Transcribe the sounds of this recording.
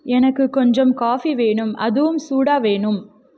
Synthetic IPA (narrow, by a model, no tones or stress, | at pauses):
ɛnɐkːɯkːɔɲd͡ʒɐmkaːfiʋeːɳɯmɐ̰ðɯʋɯmsuːɽaːʋeːɳɯm